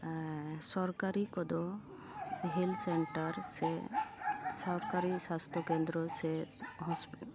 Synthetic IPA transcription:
sɔɾkaɾikɔd̪ɔ | ɦilseɳʈaɾse | sɔɾkaɾisast̪ʰɔkend̪ɾɔseɦɔsp

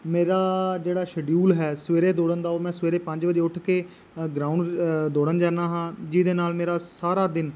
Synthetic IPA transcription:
meːɾaːd͡ʒeːɽaːʃəɖjuːlɦɛːsʋeːɾeːd̪oːɽənd̪aːoːɾmɛ̃ːsʋeːɾeːpə̃ɲd͡ʒʋəd͡ʒeːʊʈʰkeː | ɡɾaːʊɳɖd̪oːɽənd͡ʒaːnaːɦãːd͡ʒiːd̪eːnaːlmeːɾaːsaːɾaːd̪ɪn

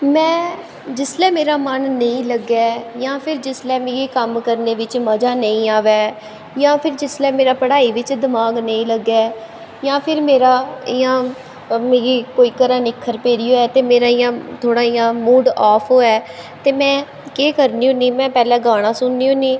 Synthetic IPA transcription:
mɛ̃ː | d͡ʒɪslɛːmeːɾaːmənːəĩːləɡaːjãːpʰɪɾd͡ʒɪslɛːmeːɡiːkəmkəɾneːʋɪt͡ʃməd͡ʒaːnəĩːaːʋɛː | jãːpʰɪɾd͡ʒɪslɛːmeːɾaːpəɽaːiːʋɪt͡ʃd̪ɪmaːɡnəĩːləɡːaː | jãːpʰɪɾmeːɾaːiːãː | meːɡiːkoːiːkəɾãːnɪkʰːəɾpeːɾiːoːɛːt̪eːmeːɾaːijãːt̪ʰoːɽaːijãːmuːɖaːpʰoːɛː | t̪eːmɛ̃ː | keːkəɾniːũːniːmɛ̃ːpɛːlɛ̃ːɡaːɽ̃ãːsʊnːiːõːniː

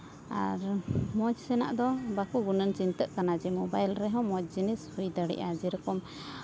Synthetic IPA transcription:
a̰ɾmɔd͡ʒsɛna̰ʔd̪ɔbakuɡunənt͡ʃint̪əʔkanad͡ʒɛmɔbajlɾɛɦɔ̃mɔd͡ʒ̚d͡ʒinishujd̪aɽɛ̰ʔad͡ʒɛɾɔkɔm

